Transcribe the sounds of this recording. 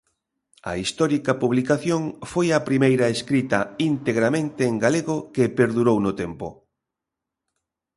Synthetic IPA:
ɐ̰ist̪ɔɾikɐpuβlikaθjoŋfojɐpɾimejɾɐeskɾit̪ɐint̪eɣɾamẽnt̪eːŋɡaleɣʊkepeɾðuɾownʊt̪empʊ̰

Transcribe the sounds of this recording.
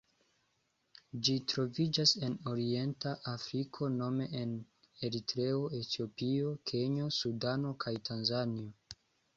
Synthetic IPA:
d͡ʒitɾo̞vid͡ʒase̞no̞ɾie̞ntaʔafɾikʰo̞no̞me̞ʔen | e̞ɾitɾe̞o̞e̞tio̞pio̞kʰe̞ɲo̞sudano̞kʰajtʰanzanio̞

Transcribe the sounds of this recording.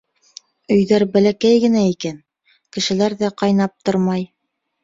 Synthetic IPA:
ɵ̆jðæɾbælækæjɡɘ̆næikæn | kɘ̆ʃɘ̆læɾðæqɑjnɑp̚t̪oɾmɑj

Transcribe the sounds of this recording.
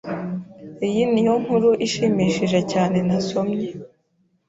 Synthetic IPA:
ijinijom̥huɾuʔiʃiːmiːʃiʒe̞caːne̞naso̞mɲe

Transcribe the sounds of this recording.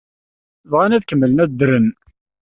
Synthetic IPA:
vʁænæðkəmːələnæt͡sd̪ɾən

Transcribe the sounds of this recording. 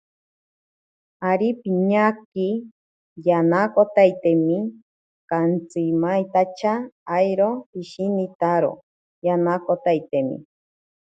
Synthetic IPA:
aɾipiɲaki | janakot̪ajt̪emi | kant͡simajt̪at͡ʃʰaːjɾoiʃinit̪aɾo̰ | janakot̪ajt̪emḭ

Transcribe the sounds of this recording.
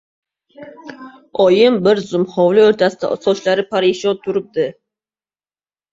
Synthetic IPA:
ɒjɪmbɪɾzʊmhɒwlɪɵɾt̪ʰasɪd̪a̰sɒt͡ʃlaɾɪpʰaɾɪʃɒnt̪ʰʊɾɪp̚d̪ɪ

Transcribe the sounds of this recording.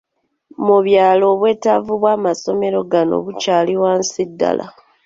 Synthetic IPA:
muβjaːlo̞ːβwe̞ːtavuβwaːmaso̞me̞ɾo̞ɡano̰βucaːliwaːnsidːa̰lʔa̰

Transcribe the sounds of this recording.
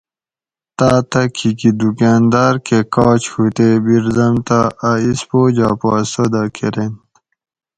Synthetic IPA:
t̪aːt̪ɐkʰikid̪ukaːnd̪aɾkekɑːt͡ɕhut̪ebiɾd̪ɐmt̪aːispoːd͡ʑɑ̰ːpɑːsod̪akʰeɾent̪

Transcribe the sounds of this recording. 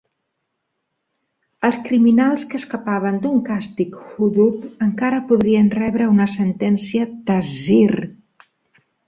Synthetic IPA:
əlˠskɾiminalˠskəːskəpaβ̞ənd̪uŋkast̪ikhuðut̪əŋkaɾəpuðɾiənrɛβɾəunəsənt̪ɛnsiət̪əzir

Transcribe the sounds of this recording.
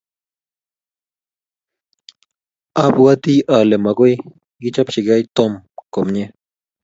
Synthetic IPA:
apwat̪iːʔalemaɣoj | ɡɪt͡ʃapʃiɡajt̪omkomɲe

